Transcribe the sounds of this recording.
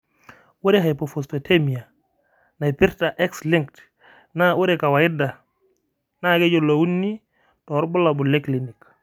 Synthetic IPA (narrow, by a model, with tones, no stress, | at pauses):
wu˦ɾe˦ɦa˨jpɔ˨fɔ˨spotʰe˦mi˨a˨ | na˨jpi˦ɾta˨ʔɛ˦ksli˦ŋkt | na˦wu˦ɾe˨ka˨wa˨ɪ˦da˨ | na˦˨ɡe˦d͡ʒo˨lo˨wu˦nːi˦ | tɔ˨˦ɾbu˦la˨bu˨le˦kli˨ni˨k